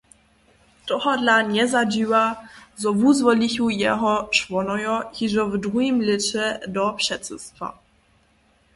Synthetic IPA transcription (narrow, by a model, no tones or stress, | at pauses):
d̪̥ɔhɔd̪laɲɛzad͡ʑiwazɔvuzvɔlʲiɕujɛɦɔʂvɔnɔjɔxiʐɔvd̪ujimlʲɪt͡ɕɛd̪ɔpʂɛt̪sɛst̪fa̰